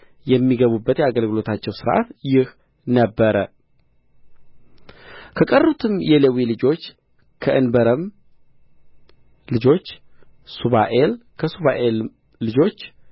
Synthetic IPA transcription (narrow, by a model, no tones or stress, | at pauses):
jɛmːiɡəβubːət̪jɛaɡəlɡɨlo̞t̪ʰat͡ʃːɛwsɨɾʔa̰t̪jɪh | nəbːəɾə | kʰəkʼərːut̪ʰɨmjɛləwilɨd͡ʒo̞t͡ʃː | kʰəʔɨnbəɾəm | lɨd͡ʒo̞t͡ʃːsuβaʔelkʰəsuβaʔelː | ɨd͡ʒo̞t͡ʃː